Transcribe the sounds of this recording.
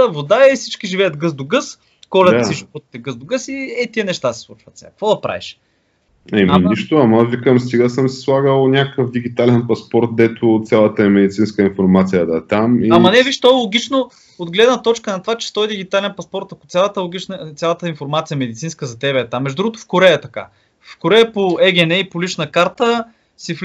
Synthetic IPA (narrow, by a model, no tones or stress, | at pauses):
əvod̪aɛifsit͡ʃkiʒivɛjət̪ɡəzd̪oɡɤs | kɔlɛt̪siʒipɔt̪t̪ɛɡɤzd̪oɡɤsiɛt̪iɛnɛʃt̪asɛ̥slˠut͡ʃvət̪sɛa̰kkvɔd̪ɐpɾa̰vḭʃ | ɛminiʃt̪ʊɐməvikəmst̪iɡəsəmsɛ̥slˠaɡəlˠnʲakəkəfd̪iɡʲit̪alɛnpɐspɔɾt̪̚d̪ɛt̪ot̪sʲjalˠət̪əɛmɛd̪it̪sinskəinfoɾmat̪sijəd̪ɐɛt̪amiamɐnɛviʃt̪ɔɛlˠoɡ̟ʲit͡ʃno | od̪ɡlɛd̪nət̪ɔt͡ʃkənɐt̪vat͡ʃɛ̥t̪ɔjd̪iɡʲit̪alɛnpɐspɔɾt̪ɐkʊ̥t̪sʲjalˠət̪əlˠoɡʲit͡ʃnət̪ʲalˠət̪əinfoɾmat̪sijəɛmɛd̪it̪sinskəzɐt̪ɛbɛɛt̪amːɛʒdod̪uɡot̪o̥fkoɾɛəːɛt̪ɐka̰ | fkoɾɛəpoɛɡʲɛnɛipolit͡ʃnɐkaɾt̪ə | sif